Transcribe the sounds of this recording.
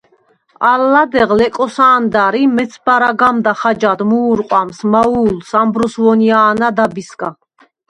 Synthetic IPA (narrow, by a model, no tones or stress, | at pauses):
alːad̪ɛʁlɛkʼɔsaːnd̪aɾimɛt̪sʰbaɾaɡamd̪aχad͡ʒad̪muːɾqʼwamsmauːlsambɾɔsvɔniaːnad̪abiskʼa